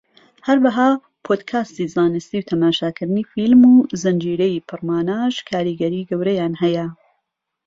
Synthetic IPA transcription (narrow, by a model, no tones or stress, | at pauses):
hɐɾwɐɦaː | pʰoːd̪kʰaːst̪izaːnɨst̪iwt̪ʰɐmaːʃaːkɨɾd̪ɨniːfilmuːzɐnd͡ʒiːɾɛjipʰɨrmaːnaːʃkʰaːɾiːɡɐɾiːɡɐwɾɐjaːnhɛjɐ